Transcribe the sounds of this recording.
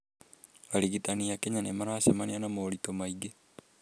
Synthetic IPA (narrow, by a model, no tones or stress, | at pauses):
βaɾiɣitaniakeɲanemaɾaːsemanianamoːɾitomaiɡe